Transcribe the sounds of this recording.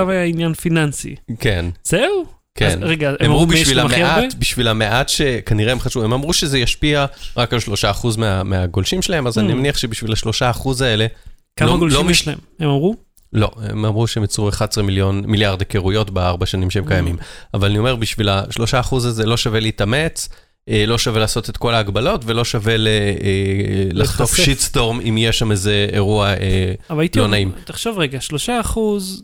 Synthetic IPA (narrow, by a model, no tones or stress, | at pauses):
avajainjanfinansḭke̞nz̥eu | kʰenʁeɡaeemamʁubiʃvilameatbiʃvilame̞ʔatʃe̞kaniʁeemχaʃvue̞mamʁuʃezejaʃpiaʁakalʃlo̞ʃaːχuzmeameaɡolʃimʃelaemazaninmameniaχʃe̞biʃvilaʃloʃaːχuzae̞le̞ | kaloaɡollomiemhemamʁu | lo̞̰ḛmamʁuʃeemjat͡sʁueχadsʁemiljo̞nmiljaʁd̪keʁujo̞tbeaʁbaʃanimʃeemkajamimavalanio̞me̞ʁbiʃvilaʃlo̞ʃaːχuzazelo̞ʃaveliːt̪ame̞t͡s | elo̞ʃavelaːso̞t̪e̞t̪ko̞laːɡbalo̞tve̞lo̞ʃave̞le | laχt̪ofʃisto̞ʁmimjeʃamezeeʁuaeavatlonaimt̪eχʃovʁeɡaʃloʃaːχuz